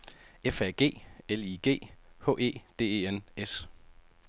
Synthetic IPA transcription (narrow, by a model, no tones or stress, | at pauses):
efæɡ̥e̝̰ːeliɡ̥e̝̰ːhɔ̰̽ːe̝̰ːd̥e̝̰ːe̝ːenes